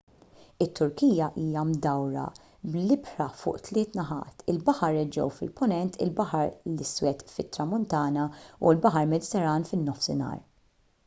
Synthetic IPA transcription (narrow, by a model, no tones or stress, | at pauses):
ɪt̪ːʊɾkiːjɐʔiːjɐmd̪ɐwɾɐ̰ | blɪbɾɐfʊ̰ːʔt̪lɪːt̪nɐħɐ̰ːt̪ɪlbɐħɐɾɛd͡ʒɛ̰wfɪ̰lpʊnɛnt̪ɪ̰lbɐħɐɾlɪswɛt̪fɪt̪ːɾɐmʊnt̪ɐːnɐulbɐħɐɾmɛd̪ɪt̪ɛɾːɐːnfɪnːɔfsɪ̰nɐ̰ːɾ